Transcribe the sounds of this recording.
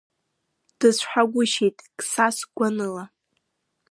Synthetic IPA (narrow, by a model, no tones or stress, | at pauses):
d̥ɨzʷħʷᶣaɡʷʊʃejtʼkʼsasɡʷanɨla